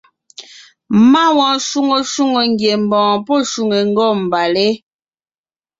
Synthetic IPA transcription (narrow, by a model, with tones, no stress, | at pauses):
ma˦wɔ̃˨˦ʃu˦ŋo˨ʃu˦ŋo˨ŋ˦ɡje˨m˨bɔ̃ː˨pɔ˦˨ʃu˨ŋe˨ŋ̩˦ɡɔ˦˨m̩˨ba˨le˦